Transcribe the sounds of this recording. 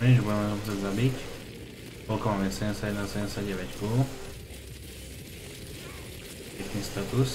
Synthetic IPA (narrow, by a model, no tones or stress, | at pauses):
ɛʒbuɟɛmɛsɔmusɛzabic | kɔlkɔmaːmɛsɛɛɲɛsjaɟɛd̪nasɛɲɛsjaɟɛʋɛckɔːl | pɛknist̪at̪us